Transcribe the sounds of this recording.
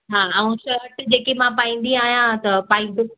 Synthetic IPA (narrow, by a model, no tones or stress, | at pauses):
ɦaːɐũʃɐɾʈd͡ʑeːkemãpaːĩːn̆d̪ĩaːɦijãt̪ɐpaːĩnd̪ʊ